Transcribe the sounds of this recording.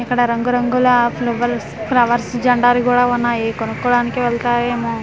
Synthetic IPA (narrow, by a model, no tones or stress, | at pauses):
ikːɐɽɐɾɐŋɡuɾɐŋɡulɐplɐʋɐɾsplɐʋɐɾsd͡ʒɐɳɖaːlukuːɽaːunːaːjikonukːɔːɽaːnikiʋɛɭt̪aːɾeːmuː